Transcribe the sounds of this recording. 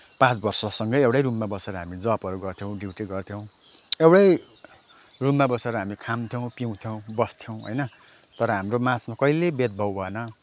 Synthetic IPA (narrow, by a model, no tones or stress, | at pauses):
pãt͡sbʌrsʌsʌŋɡʌjewɽajɾumːabʌsʌɾʌɦamid͡zʌpʌɾuɡʌrt̪ʰjõw̃ɖiwʈiɡʌrt̪ʰjõw̃ | ewɽaj | rumːabʌsʌɾʌɦamikʰamt̪ʰjow̃piw̃t̪ʰjow̃bʌst̪ʰjow̃ɦʌ̰jnʌ | t̪ʌɾʌɦamromãt͡sʰmakʌilebed̪̚bʱʌwbʱʌenʌ